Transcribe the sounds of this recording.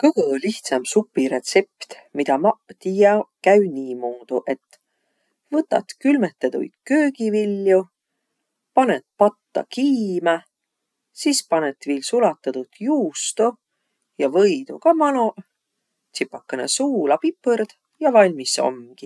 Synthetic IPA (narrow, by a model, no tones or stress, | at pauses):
kɤɡɤliht̪sɑmsupːiɾe̞t̪se̞pt̪mid̪̥ɑmɑt̪ijɑkæɥniːmuːd̪̥uʔe̞t̪ːˑ | vɤt̪ːˑɑ̰t̪kylmet̪ːˑɑd̪ṵjd̪̥køːɡivilːju | pɑnet̪̚pɑt̪ːɑ̰kiːmɑ | sispɑnet̪viːlsulɑt̪ːˑɑt̪ut̪juːst̪o | jɑvɤjd̪ukɑmɑno | t̪sipːˑɑkːɑnḛsuːlɑpipːəɾd̪̥ | jɑvɑlʲmiso̞̰mɡ̥i